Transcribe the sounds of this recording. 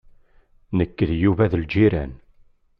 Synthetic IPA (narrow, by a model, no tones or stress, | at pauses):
nəkːəðjuvæðld͡ʒiɾæn